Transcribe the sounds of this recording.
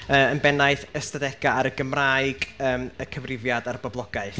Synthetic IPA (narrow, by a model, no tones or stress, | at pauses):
əːənbɛnaɨθəstadɛɡ̥aaɾəɡəmrajɡəːməkʰəvrɪvjadarbɔblˠɔɡaɨθ